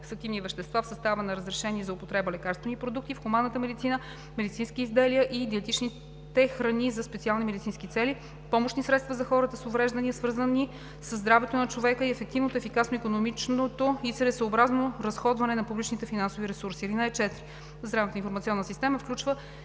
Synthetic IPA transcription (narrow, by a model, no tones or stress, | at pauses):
sək̪ivnivɛʃt̪ɛst̪vafsəst̪avənɐɾəzɾɛʃɛnʲiɛzɐopot̪ɾɛbəlɛkaɾst̪vənipɾod̪uk̚t̪ifxumanːət̪əmɛd̪it̪sinə | mɛd̪it̪sinskiːzd̪ɛliəʔid̪iɛt̪it͡ʃni | t̪ɛxɾɐnizɐspɛt̪sialˠnimɛd̪it̪inskit̪sɛli | pɔmoʃnisɾɛt̪st̪vɐzɐxɔɾət̪əsovɾɛʒd̪əniəsvɤɾzəni | səzːd̪ɾavɛt̪onɐt͡ʃovɛkəiɛfɛk̚t̪ivnot̪oɛfikasnoikonomit͡ʃnot̪oisɛɾɛt̪səobɾaznoɾɐsxɔd̪vɐnɛnɐpublʲit͡ʃnit̪ɛfinansoviɾɛsuɾsiɾinəɛt͡ʃɛt̪ɾi | zɾavnət̪əinfoɾmɐt̪siɔnːəsist̪ɛməfklʲut͡ʃvə